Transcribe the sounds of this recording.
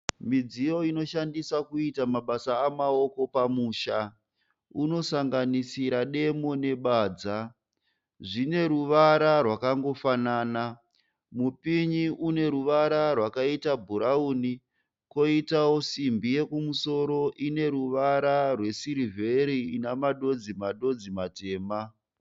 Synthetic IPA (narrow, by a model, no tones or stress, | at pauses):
mid͡zijo̞ino̞ʃandisakuitamaɓasaːmao̞ko̞pamuːʃa | uno̞saŋɡanisiɾaɗe̞mo̞ne̞ɓaːd͡za | ʐine̞ɾuʋaɾarwakaŋɡo̞fanaːna | mupiɲiʔune̞ɾuʋaɾarwakaitabʱuɾauːni | ko̞itawo̞simbije̞kumuso̞ɾo̞ʔine̞ɾuʋaɾarwe̞siɾivʱe̞ɾiːnamaɗo̞d͡zimaɗo̞d͡zimate̞ːma